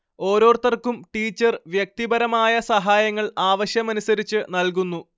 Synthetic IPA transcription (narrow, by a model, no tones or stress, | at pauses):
o̞ːɾo̞ːrt̪ɐrkːumʈiːt͡ɕːɐrʋjek̚t̪ibɐɾɐmaːjɐsɐɦaːjɐŋːɐɭaːʋɐɕjɐmɐnusɐɾit͡ɕːɨnɐlk̬unːu